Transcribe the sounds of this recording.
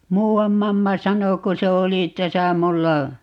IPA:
muːɑm mɑmːɑ sɑno ku se oli tæsæ mulːɑ

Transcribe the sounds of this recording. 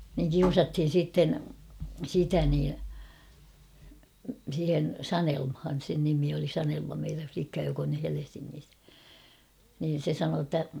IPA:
niŋ kiusɑthin̞ sitːen sitæ niː siːhen sɑnelmhɑn̞ sen nimi oli sɑnelmɑ meiræ̃ flikːɑ jok on ny helesiŋːis niːn̞ se sɑnoː tːæ

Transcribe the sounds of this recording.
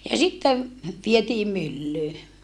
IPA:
jɑ sitːeʋ ʋietiː mylːyː

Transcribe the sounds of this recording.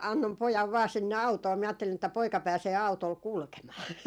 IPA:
ɑɑnːom pojɑʋ ʋɑː sinːe ɑutoː minæ ɑːtːelin etːæ poikɑ pæːseː ɑu̞tol kulkemɑː

